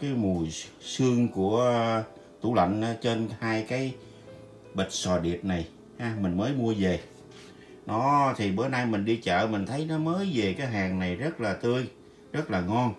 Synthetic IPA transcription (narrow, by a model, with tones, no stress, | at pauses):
kaː˨˦jmu˨˩əjsɨ˧əŋku˧˩ə | t̪u˧˩la̰˧˨ŋ̟ʔaː˨˧˦t͡ɕe˧nhaː˧jkaː˨˦j | ɓə˨˩t̟̚sɔ˨˩ɗi˨˩əp̚na˨˩j | haː˧mï˨˩ŋ̟məː˨˦jmu˧əve˨˩ | nɔ˨˦t̪ʰi˨˩ɓəː˧˨˦jnaː˧jmi˨˩ŋ̟ɗi˧t͡ɕə̰ː˧˨mï˨˩ŋ̟t̪ʰə˨˦jnɔ˨˦məː˨˦jve˨˩kaː˨˦jɦaː˨˩ŋna˨˩jzə˦˥t̚laː˨˩t̪ɨ˧əj | zə˦˥t̚laː˨˩ŋɔ˧n